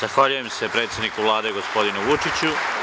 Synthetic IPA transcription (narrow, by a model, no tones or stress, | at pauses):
z̥axʋaʎujemse̞pɾe̞ːt̪sje̞d̪nikuʋlˠaːd̪e̞ɡo̞spo̞d̪inuʋut͡ʃit͡ɕu